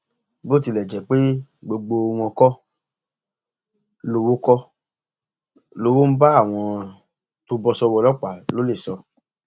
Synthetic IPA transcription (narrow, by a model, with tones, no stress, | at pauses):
bo˦˨ti˧˨lɛ˨d͡ʒɛ˨˦k͡pe˦ɡ͡bo˧ɡ͡bo˧w̃ɔ̃˧kɔ˦ | lo˧wo˦kɔ˦ | lo˦wo˦m̩˦ba˦a˦˨w̃ɔ̃˧ | to˦bɔ˦sɔ˦wɔ˧lɔ˦k͡pa˨lo˨˦le˦˨sɔ˧